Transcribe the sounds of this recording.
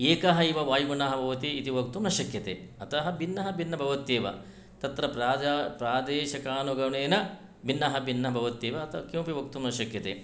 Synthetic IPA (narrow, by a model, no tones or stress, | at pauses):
eːkɐɦɐiʋɐʋaːjmunɐɦɐbʱɐʋɐt̪iːt̪iʋok̚t̪umnɐʃɐkjɐt̪ḛːɐt̪ɐɦɐbʱinːɐɦɐbʱinːɐbʱɐʋɐt̪jeːʋɐ̰ | t̪ɐt̪ɾɐpɾaːpɾaːd̪eːʃɐkaːnuɡɐʋɳeːnɐ | bʱinːɐɦɐbʱinːɐɦɐbʱɐʋɐt̪jeːʋɐt̪ɐkjuːpiʋok̚t̪umnɐʃɐkjɐt̪ḛː